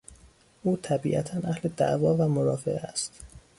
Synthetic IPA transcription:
ʔuːt̪ʰæbḭːʔæt̪ʰænʔæhle̞d̪æ̰ʔvɒːvæmoɾɒːfḛʔeæ̰st̪

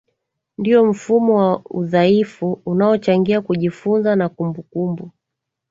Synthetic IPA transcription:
ndiɔm̩fumɔwauðaifuunaɔt͡ʃaŋɡiakuʄifunzanakumbukumbu

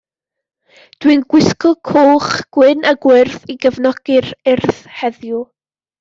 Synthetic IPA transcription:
d̥wɨnɡwɪskɔkʰoːχɡ̥wɪnʔaɡwɪrθiɡəvnɔɡ̥ɪrɪrθhɛðju

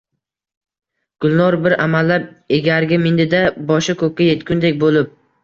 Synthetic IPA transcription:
ɡ̥ʊlˠnɒɾbɪɾamalːap̚eɡʲaɾɡʲɪmɪnd̪ɪd̪abɒʃakʰɵk̚ʲːaje̞t̪kʲʊnd̪ek̚ʲbolɪp̚

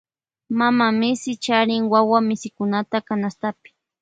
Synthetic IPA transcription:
mamamɪsɪt͡ʃaɾɪŋwawamɪsɪkʊnat̪akanast̪apɪ̥

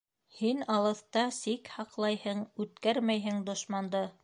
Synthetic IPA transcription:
hinɑlˠɤ̆θt̪ɑsikhɑqlˠɑjhɤɴʉt̪̚kæɾmæjɦɘŋd̪ŏʃmɑnd̪ɤ

